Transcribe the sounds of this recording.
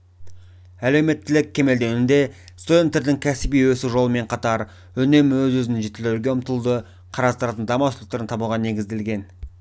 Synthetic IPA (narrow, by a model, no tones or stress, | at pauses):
æle̞wme̞t̪ːɪlɪkʲʰːe̞me̞ld̪e̞nɪnd̪e̞ | st̪od̪ent̪eɾd̪ɪŋkʲʰæsɪbijwɵsɪʒo̞lˠəme̞ɴqʰɑt̪ɑɾ | ɵne̞mwɵzwɵzɪnɪŋʒet̪ːɪleɡʲe̞ʊmt̪əlˠd̪ə | qʰɑɾɑst̪əɾɑt̪ənd̪ɑmɑslək̚t̪eɾənt̪ʰɑbulʁɑne̞ɡʲɪzd̪e̞lɡʲe̞n